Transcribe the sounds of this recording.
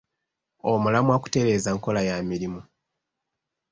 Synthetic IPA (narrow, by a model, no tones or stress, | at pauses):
omulamwaku̥te̞ɾe̞ːzaŋko̞lajamiɾimu